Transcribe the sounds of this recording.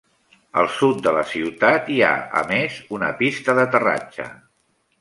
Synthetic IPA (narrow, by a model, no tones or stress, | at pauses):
ə̰lˠsut̪̚d̪ələsiwt̪at̪ia̰ə̰mezunə̰pist̪əðət̪əra̰d͡ʒə̰